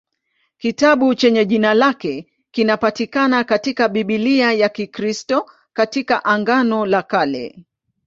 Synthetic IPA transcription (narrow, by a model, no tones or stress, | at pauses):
kitaɓut͡ʃɛɲɛʄinalakɛ | kinapatikanakatikaɓiɓiliajakikɾistɔ | katikaʔaŋɡanɔlakalɛ̰